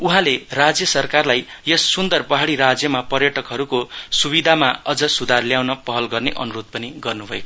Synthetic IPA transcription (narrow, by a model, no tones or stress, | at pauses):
uɦãlerad͡zjʌsʌrkarlaj | jʌsːund̪ʌrpʌɦaɽiɾad͡zjʌmapʌrjʌʈʌkɦʌɾukosubid̪ʱamaʌd͡zʌsud̪ʱarljawnʌpʌɦʌlɡʌrneʔʌnuɾot̪̚pʌniɡʌrnubʱʌek